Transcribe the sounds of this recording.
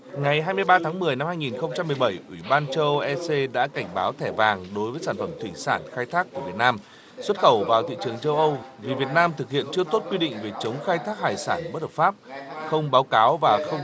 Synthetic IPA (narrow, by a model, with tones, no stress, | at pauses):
ŋa˨˩jɦaː˧jmɨ˧əjɓaː˧t̪ʰaː˨˦ŋmɨ˨˩əjna˧mhaː˧jŋi˨˩nxə˧wŋ͡mt͡ɕa˧mːɨ˨˩ə˩jɓə˧˩jʔwi˧˩ɓaː˧nt͡ɕə˧ʔɛ˧se˧ɗa̰ː˧˥ka˧˩jŋ̟ɓaː˨˦wt̪ʰɛ˧˩vaː˨˩ŋɗo˨˦jvəː˨˦jsaː˧˩nfə˧˩mt̪ʰwi˧˩saː˧˩nxaː˧jt̪ʰaː˦˥k̚ːu˧˩əvi˨˩ət̚naː˧m | swə˦˥t̚xə˨˧˩wvaː˨˩wt̪ʰḭ˧˨t͡ɕɨ˨˩əŋt͡ɕə˧wʔə˧wvi˨˩vi˨˩ət̚naː˧mt̪ʰɨ˨˩k̚hḭ˧˨ənt͡ɕɨ˧ət̪o˦˥t̚kwi˧ɗḭ˧˨ŋ̟ve˨˩t͡ɕə˨˦wŋ͡mxaː˧jt̪ʰaː˦˥k̚haː˨˩jsaː˧˩nɓə˦˥t̚hə˨˩pfaː˦˥p̚xə˧wŋ͡mɓaː˨˦wkaː˨˦wvaː˨˩xə˧wŋ͡m